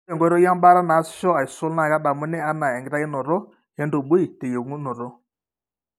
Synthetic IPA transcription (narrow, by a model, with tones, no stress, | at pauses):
ɛ˨ŋɡɔ˦ɾɔ˦ja˦mba˦ɾa˦na˨˦sʃɔ˦a˨i˨so˦lna˨ɡa˦ɗa˨mu˦nɛ˦a˦na˨ja˨ŋɡi˨ɾa˦jɛ˦nɔ˨ɾɔ˦ | hɛ˦ndo˨bu˦i˨te˨jo˨ŋu˦nɔ˨ɾɔ˦